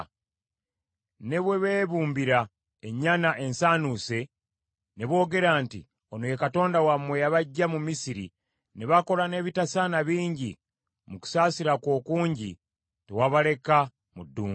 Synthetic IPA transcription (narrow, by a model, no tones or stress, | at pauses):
ne̞βwe̞βeːβuːmbiɾa | eɲːanaʔe̞nsaːnuse̞ | neβo̞ːɡe̞ɾaːntḭ | o̞nojekato̞ːndawamwe̞jaβaɟːamumisiɾḭ | neβako̞lane̞ːβitasanaβiːɲɟi | muku̥saːsiɾakwo̞ːkuːɲɟḭ | tḛwaβale̞ka | mudːuː